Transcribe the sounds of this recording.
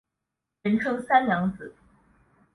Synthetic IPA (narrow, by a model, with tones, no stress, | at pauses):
ə˧˥nʈ͡ʂʰɤ˥ŋsa˥nljɑ˧˥ŋt͡sɹ̩˨˩˦